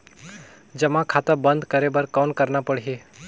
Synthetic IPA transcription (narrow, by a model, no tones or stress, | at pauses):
d͡ʒəmãkʰat̪əbənd̪ʱkəɾebəɾkɔːnkəɾnapəɽ̤iɦe